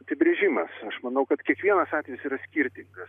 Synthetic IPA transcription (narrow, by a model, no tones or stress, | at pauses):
ɐpʲɪbʲɾʲɛʒʲɪmɐsɐʃmɐnɐʊkɐt̪kʲiɛkʋʲiɛnɐsɑːt̪ʲʋʲeɪsiːɾɐsʲkʲiɾʲt̪ʲɪŋɡɐs